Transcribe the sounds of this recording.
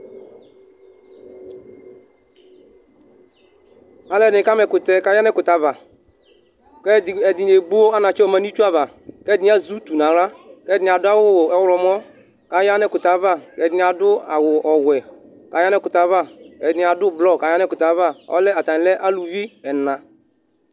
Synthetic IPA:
a˨lɛ˦˨dnɪ̃˨ka˦mɛ˨kʊ˨t̪ɛ˨ka˨ja˦nɛ˦kʊ˨t̪a˨˦va˨ | kɛ˦˨ɛ˨dɪ˨ne˨ɡ͡bu˦wo˦a˦nã˨t͡ʃɛ˦ɔ˨ma˨ni˦t͡ʃu˦a˦va˨ | kɛ˦dɪ˨nɪ˦a˦zu˦t̪u˨nã˨la˦kɛ˦dɪ˨nɪ˨a˨dʊ˦a˦wʊ˦wɛ˦wlɔ˨m˦ɔ˦ | ka˨ja˦nɛ˦kʊ˨t̪a˨va˦˨kɛ˨dɪ˨n˨a˨dʊ˦a˨wʊ˨ʔɔ˨wɛ˨ | ka˨ja˦nɛ˦kʊ˨t̪a˨˦va˦ɛ˨dɪ˨nɪ˨a˨dʊ˦blɔ˦˨ka˨˦ja˦nɛ˦kʊ˨t̪a˨˦va˦ɔ̰˦lɛ˦a˨t̪a˨n˨lɛ˦ʔa˦lu˨vi˦ɛ˨nã˨

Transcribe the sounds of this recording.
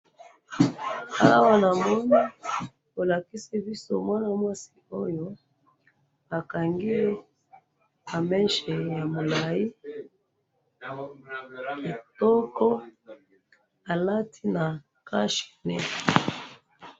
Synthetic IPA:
a˦wa˦na˨mɔ˦na˦ | o˨la˨ki˦si˦bi˦so̰˦mwa˦na˦mwa˦si̥˦o˦jo˦ | a˨ka˨ŋɡi˦e˦ | ba˨mɛ˦nʃɛ˨ja˨mo˨la˨i˦ | ki˨tɔ˦kɔ˦ | a˨la˦tʰi˦na˨ | ka˦ʃi̥˨nɛ˦

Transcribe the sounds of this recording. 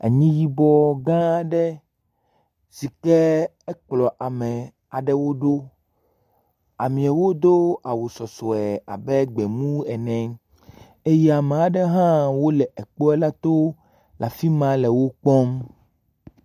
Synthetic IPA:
a̰˨ɲĩ˦ji˦bɔ˦ɡã˦ɖɛ˦ | si˨kɛ˦ | ɛ˦k͡plɔ˨ʔa˨mɛ˨ | a˨ɖɛ˦wo˦ɖo˦ | a˨mĩ˨a˨wo˦d̪o˦a˨wo˨sɔ˨sɔ˨ɛ˨a̰˨bɛ˦ɡ͡bɛ˨mũ˦ɛ˨nɛ̃˨ | e˦jɛ˦a˨me˨a˨ɖɛ˦ɦã˦wo˦lɛ˨ʔɛ˨k͡po˦ɛ˦la˦t̪o˦ | lʔa˨fi˦mã˦lɛ˨wo˦k͡pɔ˦m

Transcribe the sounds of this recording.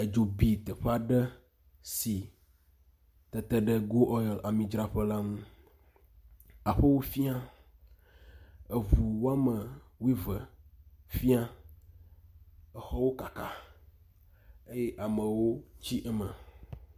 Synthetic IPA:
e˨d͡ʒo˨bi˨t̪ɛ˨ɸe˦a˨ɖɛ˦ | si˨ | t̪ɛ˨t̪ɛ˦ɖɛ˦ɡo˦ʔɔ˦jɔ˨lʔa˨mĩ˨d͡ʒɾa˦ɸə˦la˦ŋũ˦ | a˨ɸə˦wo˦fi˦a˦ | e˨vu˨wo˦a˦mə˨wi˦və˨fi˦a˦ | ɛ˨xɔ˦wo˦ka˨ka˨ | e˦jɛ˦ʔa˨mə˨wo˦t͡ɕi˦ʔɛ˦mə̃˨

